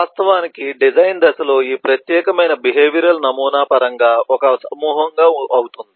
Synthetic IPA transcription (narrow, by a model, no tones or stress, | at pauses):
aːst̪ɐʋaːnikiɖid͡ʒɐjnd̪ɐsɐlo̞ːiːpɾɐt̪jɛːkɐmɐjnɐbiɦeːʋiɾɐlɐnɐmuːnaːpɐɾɐŋɡaːɔkɐsɐmuːɦɐŋɡaːɐwut̪und̪i